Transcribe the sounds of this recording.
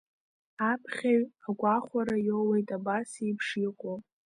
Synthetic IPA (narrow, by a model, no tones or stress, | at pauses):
apʰχʲaɥaɡʷaχʷaɾajowejtʼabasijpʰʂiqʷʼo